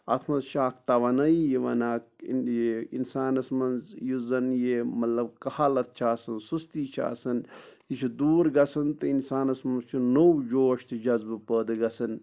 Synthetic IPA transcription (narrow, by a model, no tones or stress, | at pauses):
ɐ̰t̪ʰmɐnzʃaːkʰt̪ɐʋɐnɐijiʋɐnaːkjeinsaːnɐsmɐnzjizɐnjeːmɐt̪lɐbkɐhaːlɐt̪̚t͡ʃʰaːsɐnsust̪iːt͡ʃʰa̰ːsɐnt̪it͡ʃʰud̪uːɾɡɐsɨnt̪ɨinsaːnɐsmɐnt͡ʃʰunowd͡ʒoːʃt̪ʰɨd͡ʒɐzbɨpəːd̪ɨɡɐsɨn